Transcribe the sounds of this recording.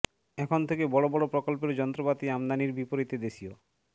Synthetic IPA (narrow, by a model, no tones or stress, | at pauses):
ɛkʰont̪ʰekebɔɽobɔɽopɾokolpeɾd͡ʑɔnt̪ɾopat̪iamd̪aniɾbipoɾit̪ed̪eʃio